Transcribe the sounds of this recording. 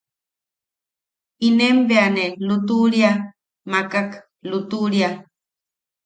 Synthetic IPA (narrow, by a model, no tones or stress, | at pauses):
inembeanelut̪uɾja | makak | lut̪uɾja